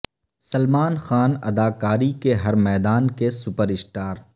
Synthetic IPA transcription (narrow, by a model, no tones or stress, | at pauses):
sɐlmaːnxaːnɐ̰d̪aːkaːɾikeɦɐɾmɛːd̪aːnkesʊpəɾɪsʈaːɾ